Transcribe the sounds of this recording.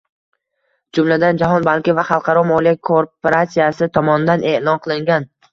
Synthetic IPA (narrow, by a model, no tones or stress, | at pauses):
d͡ʒʊmlad̪and͡ʒaɦɒnbalkʲɪvaχɑlˠqʰɑɾɒmɒlijakʰoɾpʰoɾat̪sijasɪt̪ʰɒmɒnɪd̪anʔe̞ʔlˠɒnqʰɨlˠɪŋɡʲan